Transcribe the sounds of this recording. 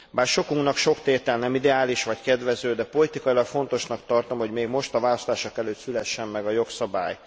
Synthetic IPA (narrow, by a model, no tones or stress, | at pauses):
baːrʃo̞kuŋknɒkʃo̞kt̪eːt̪ɛlnɛmid̪ɛaːliʃʋɒckɛd̪vɛzøːd̪ɛpo̞lit̪ikɒilɒkfo̞n̪t̪o̞ʃnɒkt̪ɒrt̪o̞mho̞ɟmeːɡmo̞ʃt̪ɒvaːlɒst̪aːʃokɛløːt̪sylɛʃːɛmmɛɡɒjo̞ksɒba̰ːj